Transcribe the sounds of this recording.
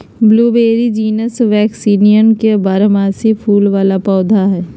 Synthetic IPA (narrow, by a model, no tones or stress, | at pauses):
bluːbeːɾid͡ʒiːnəsʋɛːksiːnijənkebaːɾəmaːsipʰuːlʋaːlapɔːd̪ʱaɦɛː